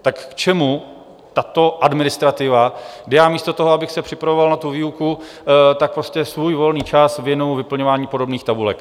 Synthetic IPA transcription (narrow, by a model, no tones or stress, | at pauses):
t̪akːt͡ʃɛmu | t̪at̪o̞ʔadmɪnɪst̪ɾat̪ɪvaɡdɪjaːmiːst̪ot̪o̞ɦoabɪxsɛpr̥ɪpɾavo̞valnat̪uviːuku | t̪ak̚pɾoscɛsvuːjvo̞lniːt͡ʃasvjɛnujuvɪpl̩ɲo̞vaːɲiːpo̞do̞bniːxt̪abulɛ̰k